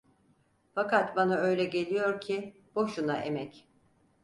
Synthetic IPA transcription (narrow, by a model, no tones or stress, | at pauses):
fakat̪banaø̞jlʲɛɟe̞lʲijo̞ɾcʰi | b̥oʃunaʔḛmɛc